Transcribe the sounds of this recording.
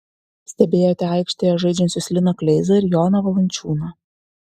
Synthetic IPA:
sʲt̪ʲɛbʲeːjoːt̪ʲɛɑɪkʃʲt̪ʲejɛʒɐɪd͡ʒʲɛnʲsʲʊsʲlʲɪnɐklʲɛɪzɐɪɾʲjɔːnɐʋɐlˠɐnʲt͡ʃʲuːnɐ

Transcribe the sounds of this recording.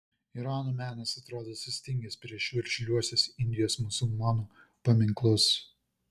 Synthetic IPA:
ɪɾɑːnoːmʲæːnɐsɐt̪ɾoːd̪oːsʲɪsʲt̪ʲɪŋʲɡʲɛspʲɾʲiɛʃjuːɪɾʲʃʲɛlʲuɔsʲɛsɪnʲd̪ʲɪjoːsmʊsʊlˠmɑːnu | pɐmʲɪŋklˠʊs

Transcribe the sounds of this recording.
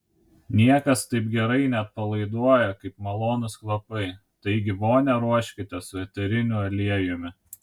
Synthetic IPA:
nʲiɛkɐst̪ɐɪpɡʲɛɾɐɪnʲɛt̪̚pɐlˠɐɪd̪uɔjɛkɐɪpmɐlˠoːnʊsklˠɐpɐɪ | t̪ɐɪɡʲɪboːnʲɛɾuɔʃʲkʲɪt̪ʲɛsʊʋʲɛt̪ʲɛɾʲɪnʲʊɐlʲiɛjʊmʲɪ

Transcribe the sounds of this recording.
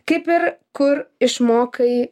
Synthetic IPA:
kɐɪpɪɾkʊɾɪʃmoːkɐɪ

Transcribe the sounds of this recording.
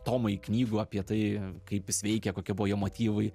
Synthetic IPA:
t̪oːmɐɪknʲiːɡʊɐpʲiɛt̪ɐɪkɐɪpjɪsʲʋʲɛɪkʲɛkoːkʲiɛbʊʋojiɛmoːt̪ʲiːʋɐɪ

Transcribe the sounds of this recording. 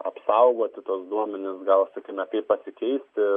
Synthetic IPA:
ɐ̰psɐʊɡoːt̪ʲɪt̪usd̪uɔmʲɛnʲɪsɡɐlˠsɑkʲiːmɛkɐɪppɐsʲɪkʲɛɪsʲt̪ʲɪ

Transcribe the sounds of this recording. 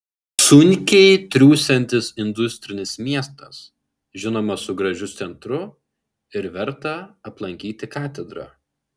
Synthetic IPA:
sʊnʲkʲɛɪt̪ʲɾʲuːsʲɛnʲt̪ʲɪsɪnd̪ʊsʲt̪ʲɾʲɪnʲɪsmʲiɛst̪ɐs | ʒʲɪnoːmɐsʊɡɾɐʒʲʊsʲɛnt̪ɾʊ | ɪɾʋʲɛɾt̪ɐɐplˠɐŋʲkʲiːt̪ʲɪkɑːt̪ʲɛd̪ɾɑ̰

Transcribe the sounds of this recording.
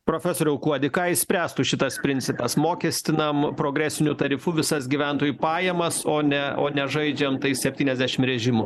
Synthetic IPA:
pɾoːfʲɛsoːɾʲɛʊkuɔd̪ʲɪkɑːɪsʲpʲɾʲæːst̪ʊʃʲɪt̪ɐspʲɾʲɪnʲt̪sʲɪpɐsmoːkʲɛsʲt̪ʲɪnɐmpɾoːɡɾʲæːsʲɪnʲut̪ɐɾʲɪfuʋʲɪsɐsɡʲiʋʲɛnt̪oːjupɑːjɛmɐsoːnʲɛo̰ːnʲɛʒɐɪd͡ʒʲɛmt̪ɐɪsʲɛpʲtʲiːnɛzʲd̪ʲæʃʲɪmɾʲɛʒʲɪmʊ

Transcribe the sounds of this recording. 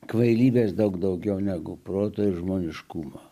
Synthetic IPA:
kʋɐɪlʲiːbʲeːsd̪ɐʊkd̪ɐʊɡʲɛʊnʲæːɡʊpɾoːt̪oːɪɾʒmoːnʲɪʃkuːmo

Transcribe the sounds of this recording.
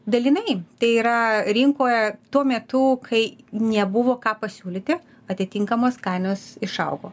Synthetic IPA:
d̪ɐlʲiːnɐɪt̪ɐɪiːɾɐɾʲɪŋkoːjɛt̪uɔmʲɛt̪ʊkʰɐɪnʲɛbʊʋoːkɑːpɐsʲuːlʲiːt̪ʲɪ | ɐt̪ʲɪtʲɪŋkɐmoːskɐɪnoːsɪʃɐʊɡoː

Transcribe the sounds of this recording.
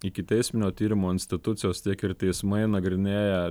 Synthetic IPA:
ɪkʲɪt̪ʲɛɪsʲmʲɪnʲoːt̪ʲiːɾʲɪmoːɪnʲsʲt̪ʲɪt̪ʊt̪sʲɪjoːst̪ʲiɛkɪɾt̪ʲɛɪsmɐɪnɐɡɾʲɪnʲeːjɛ

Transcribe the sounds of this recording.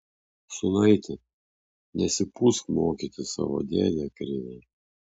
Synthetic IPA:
sʊnɐɪt̪ʲɪ | nʲɛsʲɪpuskmoːkʲit̪ʲɪsɑ̰ʋo̰d̪ʲḛːd̪ʲɛkɾʲɪnʲɛ

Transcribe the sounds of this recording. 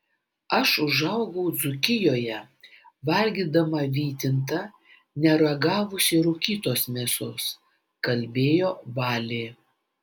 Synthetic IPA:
ɐʃʊʒɐʊɡɔʊd̪zʊkʲɪjoːjɛ | ʋɐlʲɡʲiːd̪ɐmɐʋʲiːt̪ʲɪnt̪ɐ | nʲɛɾɐɡɑːʋʊsʲɪɾʊkʲiːt̪oːsmʲeːsʊs | kɐlʲbʲeːjoːʋɑːlʲeː

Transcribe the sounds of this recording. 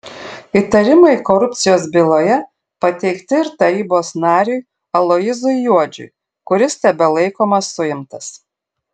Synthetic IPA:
it̪ɐɾʲɪmɐɪkɔɾʊp̪ʲsʲɪjoːs̬bʲɪlˠoːjɛ | pɐt̪ʲɛɪkt̪ʲɪɪɾt̪ɐɾʲiːboːsnɑːɾʲɛɪ | ɐlˠɔɪzʊjjuɔd͡ʒʲʊ̰j | kʊɾʲɪst̪ʲɛbʲɛlˠɐɪkoːmɐsːʊjɪmt̪ɐs

